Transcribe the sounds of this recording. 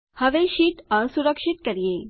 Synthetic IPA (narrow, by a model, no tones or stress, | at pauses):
həʋeɕiːʈəsuɾəkʂit̪kəɾjẽ